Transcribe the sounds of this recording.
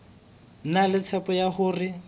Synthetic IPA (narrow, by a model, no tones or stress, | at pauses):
nalɪt͡sʰɛpɔjaχʊːrɪ